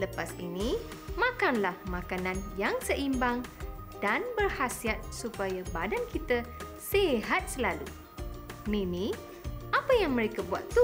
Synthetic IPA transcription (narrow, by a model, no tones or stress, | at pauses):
ləpasḭnĩ | mãkanlahmãkanãnjaŋsəʔimbaŋ | d̥anbərhasiat̪̚supajabadankit̪ə | seɦat̪̚səlalu | mĩmĩ | ʔapajaŋmə̃ɾekabua̰t̪ːu